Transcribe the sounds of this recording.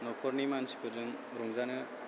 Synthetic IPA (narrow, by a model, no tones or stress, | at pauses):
nɔpʰɔɾnimansi̥kʰɯzɯŋ | ɾɔŋzanɯ